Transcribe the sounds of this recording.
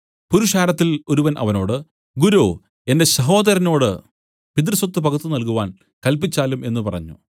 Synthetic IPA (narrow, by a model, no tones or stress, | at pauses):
puɾuʂaːɾɐt̪ːilo̞ɾuʋɐnʔɐ̰ʋɐno̞ːɽɨ | ɡuɾo | e̞nde̞ɕɐɦo̞ːd̪ɐɾɐno̞ːɽɨ | pid̪̬rswɐt̪ːɨpɐɡut̪ːunɐlkuʋaːn | kɐlp̬it͡ɕːaːlume̞nːupɐrɐ̰ɲːṵ